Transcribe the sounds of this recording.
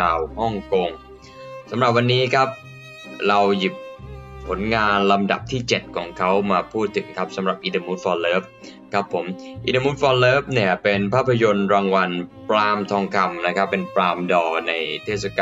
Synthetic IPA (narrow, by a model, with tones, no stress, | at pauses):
aː˧whɔ˥˩ŋko˧ŋ | sa˩˦mɾa˨˩p̚wa˧nːiː˦˥kʰa˦˥p̚ | ɾa˧wji˨˩p̚pʰːo˩˦nŋaː˧nla˧mda̰˨˩p̚t̪ʰiː˥˩t͡ɕe˨˩t̪̚kʰɔː˩˦ŋkʰa˦˥wmaː˧pʰuː˥˩t̪ʰːɯ˩˦ŋkʰa˦˥p̚sa˨˩˦mɾa˨˩p̚ʔi˧t̪a˧mu˦˥t̪̚fɔː˧lɤː˦˥p̚kʰɾa˦˥pʰːo˩˦mʔḭ˧t̪a˧mu˦˥t̪̚fɔː˧lɤː˦˥p̚ni˥˩ɐpe˧npʰaː˥˩pʰːa˧jo˧nɾaː˧ŋwa˧npɾaː˧mt̪ʰɔː˧ŋkʰa˧mna˦˥kʰa˦˥pːe˧npɾaː˧mdɔː˧na˧jt̪ʰe˥˩t̪̚sa˧kaː˧